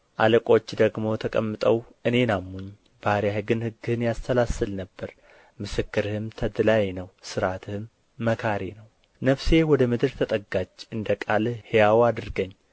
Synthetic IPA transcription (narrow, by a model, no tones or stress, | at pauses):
ʔaləkʼo̞t͡ʃːd̪əɡmo̞t̪ʰəkʼəmːɨt̪ʼəwʔɨne̞namːuɲ | b̥aɾjahɨɡɨnhɨɡːɨhɨnjast̪ʰəlasɨlnəbːəɾ | mɨsɨkːɨɾɨhɨmt̪ʰəd̪ɨlajnəwsɨɾat̪ʰɨhɨmː | əkʰaɾenəw | nəfse̞wɔd̪əmɨd̪ɨɾt̪ʰət̪ʼəɡat͡ʃːɨnd̪əkʼalhejawad̪ɨɾɡəɲː